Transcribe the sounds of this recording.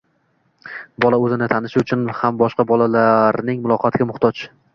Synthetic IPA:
bɒlaɵzɪnɪt̪ʰanɪʃʊt͡ʃʰʊnhambɒʃqɑbɒlalaɾnɪŋmʊlˠɒqʰɑt̪ʰɪɡʲamʊχt̪ʰɒt͡ʃ

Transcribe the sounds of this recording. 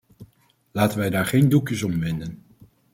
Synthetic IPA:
laːtənʋɛjdaːɹχejndukjəsɔmʋɪndən

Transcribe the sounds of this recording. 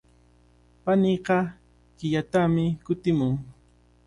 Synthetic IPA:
paniɢɑ | kɪʎat̪amɪkʊt̪ɪmʊŋ

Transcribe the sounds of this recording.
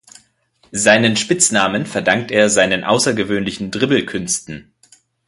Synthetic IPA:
zaɪnənʃpɪt͡snaːmənfɛɐdaŋk̚teːɐzaɪnənʔa̰ʊsɐɡəvøːnlɪçn̩dʁɪbl̩kʰʏnstn̩

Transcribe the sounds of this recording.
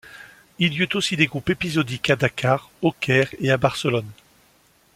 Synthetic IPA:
iljyt̪osid̪eɡʁupepizɔd̪ikad̪akʰaʁokʲɛʁeabaʁsəlɔn

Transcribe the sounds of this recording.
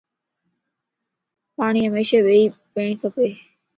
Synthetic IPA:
paːɳ̃iːɦəmeːʃeːʋeiːpeːɳit̪ʰəpeː

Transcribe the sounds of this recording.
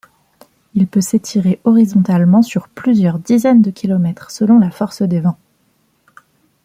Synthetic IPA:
ilpøset̪ʰiʁeʔɔʁizɔ̃t̪almɑ̃syʁplyzjœʁd̪izɛnd̪əkʲilɔmɛt̪χsəlɔ̃lafɔʁsd̪evɛ̃

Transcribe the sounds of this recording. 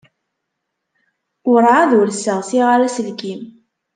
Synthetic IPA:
ʊɾʕaðulsəʁsiʁaɾæsəlkim

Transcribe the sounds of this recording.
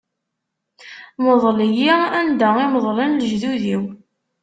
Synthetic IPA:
moðˤlijiænd̪æiməðˤlinlʒðuðiw

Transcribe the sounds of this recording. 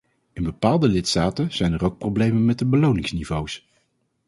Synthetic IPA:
ɪnbəpaːlˠdəlɪtstaːtənz̥ɛjnərowk̚prowblejmənmɛt̚dəbəlownɪŋsnivows

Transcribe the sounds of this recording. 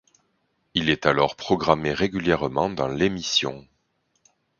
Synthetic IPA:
ilɛt̪alɔʁpχɔɡʁameʁeɡʲyljɛʁəmɑ̃d̪ɑ̃lemisjɔ̰̃

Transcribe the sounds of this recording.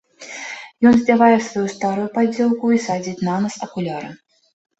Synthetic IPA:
jɔnzʲdʲavajɛsvajust̪aɾujupad͡zʲɛlˠkuisad͡zʲit͡sʲnanɐsɐkulʲaɾɐ̰

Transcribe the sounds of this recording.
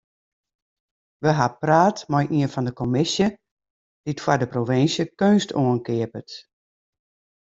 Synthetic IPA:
ʋəɦapraːtmɔjʔiənfɔndəkomɪsjə | d̥itfwadəproʋɪnsjəkøːnstʰoənkɪəpət

